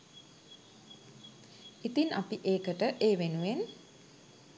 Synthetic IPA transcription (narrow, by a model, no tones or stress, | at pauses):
it̪inapiʔeːkəʈəʔeːʋenuʋen